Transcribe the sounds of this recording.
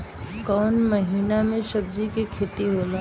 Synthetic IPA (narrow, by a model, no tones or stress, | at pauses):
kɔːnməɦiːnamẽʃəb̚d͡ʒikekʰeːt̪iɦola